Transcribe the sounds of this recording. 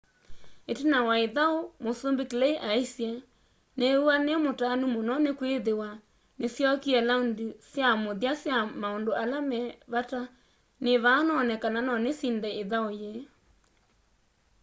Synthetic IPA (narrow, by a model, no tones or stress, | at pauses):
etenawaeðaomosombeklɛiʔaisjɛ | neuanemotanumonɔnekweðewa | nesjɔkiɛlaundisjamoðjasjamaondoʔalamɛβata | neβanɔnɛkananɔnesindɛeðaoje